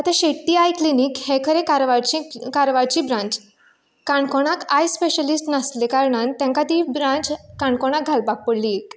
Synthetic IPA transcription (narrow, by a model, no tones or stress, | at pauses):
at̪ãɕeʈːiajklinikhẽkʰəɾẽkaɾʋaɾt͡ɕĩkaɾʋaɾt͡ɕibɾãɲt͡ɕ | kaɳkoɽ̃akajspeɕəlisʈnəslekaɾɳant̪jãŋkat̪ibɾãɲt͡ɕkaɳkoɽ̃ak̚ɡʱalpak̚pəɽliek